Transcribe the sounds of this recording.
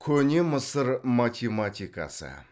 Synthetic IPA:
kʲʰɵne̞məsəɾmat̪ʰʲemat̪ʲika̰sə̰

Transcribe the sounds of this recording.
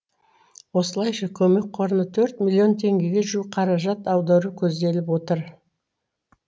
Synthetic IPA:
wo̞səlˠɑjʃɑkʲʰɵme̞k̚ʲqʰo̞ɾənət̪ʰɵɾt̪mʲilʲːio̞nt̪ʰe̞ŋɡʲe̞ɡʲe̞ʒuqʰɑɾɑʒɑt̪ɑwd̪ɑɾukʲʰɵzd̪e̞lɪpwo̞t̪əɾ

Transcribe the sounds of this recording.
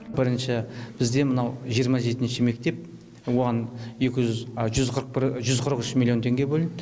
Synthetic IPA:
bɪɾənʃɑb̥ɪzd̪e̞mənɑwʒijəɾmɑʒe̞t̪ɪnʃɪme̞k̚t̪e̞p̚ | wo̞ʁɑne̞kʲɪʒzʒʏzqʰəɾəq̚bɪʒʏzqʰəɾəqʏʃmilʲˠjo̞nt̪ʰe̞ŋɡʲebɵlʲɪnɪd̪

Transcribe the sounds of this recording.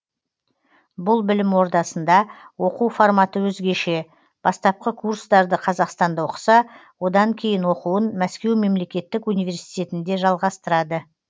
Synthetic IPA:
bʊlˠbɪlɪmwo̞ɾd̪ɑsənd̪ɑwo̞quwformɑt̪əwɵzɡʲe̞ʃe̞ | b̥ɑst̪ɑp̚qəkʰurst̪ɑɾd̪əqʰɑzɑqst̪ɑnd̪ɑwoqə̥sɑwo̞d̪ɑŋkʲʰe̞jɪnwo̞quwənmæskʲe̞wme̞mle̞kʲe̞t̪ːɪkunijvʲe̞ɾsi̥jt̪e̞t̪ɪnd̪e̞ʒɑlˠʁɑst̪əɾɑd̪ə

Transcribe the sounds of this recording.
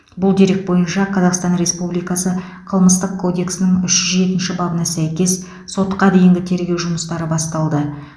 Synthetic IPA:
bʊlˠd̪e̞ɾe̞k̚bo̞jənʃɑqʰɑzɑqst̪ɑnɾe̞spublijkɑsə | qʰəlˠməst̪əqkʰːo̞d̪e̞ksɪnɪŋʏʃʒ̥ʏzʒe̞t̪ɪnʃɪbɑbənɑsæjkʲe̞sː | o̞t̪qɑd̪e̞jɪŋɡʲɪt̪ʰe̞ɾɡʲe̞wʒʊməst̪ɑɾəbɑst̪ɑlˠd̪ə

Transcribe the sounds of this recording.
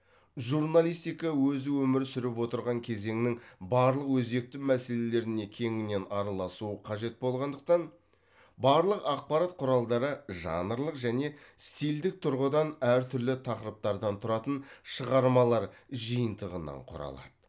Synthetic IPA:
ʒurnalˠijst̪ijkɑwɵzɪwɵmɪɾsʏɾɪpwo̞t̪əɾʁɑŋkʲʰe̞ze̞ŋɪnɪŋbɑɾlˠəqwɵzbe̞k̚t̪ɪmæse̞le̞le̞ɾɪne̞kʲʰe̞ŋɪne̞nɑɾɑlˠɑsuəqʰɑʒe̞t̪̚bo̞lˠʁɑnd̪əq̚t̪ɑn | bɑɾlˠəqɑq̚pɑɾɑt̪̚qʰʊɾɑlˠd̪ɑɾəʒɑ̰nəɾlˠəqʒæne̞st̪ijld̪ɪk̚t̪ʰʊɾʁəd̪ɑnæɾt̪ʰʏɾlɪt̪ʰɑqəɾəp̚t̪ɑɾd̪ɑnt̪ʰʊɾɑt̪ənʃəʁɑɾmɑlˠɑɾʒəjənt̪əʁənɑ̰ɴqʰʊ̰ɾɑ̰lˠɑ̰d̪̥ə

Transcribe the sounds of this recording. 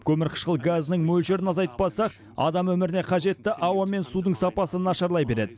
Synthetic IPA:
kʲʰɵmɪɾqʰə̥ʃqəlˠɡaznəŋmɵlʃe̞ɾɪnɑzɑjt̪ə̥pbɑsɑq | ɑ̰d̪ɑmwɵmɪɾɪne̞qʰɑʒe̞t̪ːɪʔɑwɑme̞nsud̪əɴsɑpɑsənɑʃɑɾlˠɑjbe̞ɾe̞d̪ɪ

